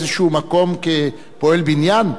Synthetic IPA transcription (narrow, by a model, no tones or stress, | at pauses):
zeʃuumako̞mke | poe̞lbinjan